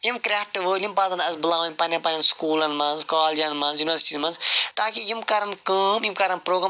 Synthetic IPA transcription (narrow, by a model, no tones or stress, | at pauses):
jimkɾʲaːfʈʋəːlʲimpaːzɐ̃nd̪ɐzbɨlaːʋɐnʲpɐnʲɐpɐnʲɐnskuːlɐnmãːzkaːld͡ʒɐnmãːnzjuːnʋɐɾsiʈizmɐnzt̪aːkijimkaːɾɐnkəːmjimkaːɾɐnpɾoːɡɾɐ